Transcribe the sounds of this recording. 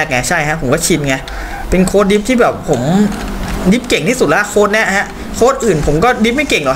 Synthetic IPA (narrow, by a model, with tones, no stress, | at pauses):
k̚ŋa˧˩t͡ɕʰa˥˩jʰa˧˦˥ʔʰpʰo˩˦mkɔː˥˩t͡ɕʰi˧nŋa˧˩ | pe˧nkʰoː˧˥t̪̚di˦˥p̚t̪ʰiː˥˩bɛː˨˩ppʰːo˩˦m | di˦˥p̚ke˨˩ŋt̪ʰiː˥˩su˨˩t̪̚lɛ˦˥kʰoː˦˥t̪̚ni˦˥˩ɐha˦˥ʔ | kʰoː˦˥˩t̪̚ʔɯː˨˩npʰo˩˦mkɔː˥˩di˦˥p̚ma˥˩jke˨˩ŋdɔ˨˩